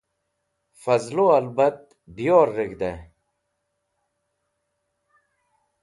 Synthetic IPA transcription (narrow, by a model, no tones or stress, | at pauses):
fɐzluɐlbɐt̪̚ | bijoːɾːiɡd̪e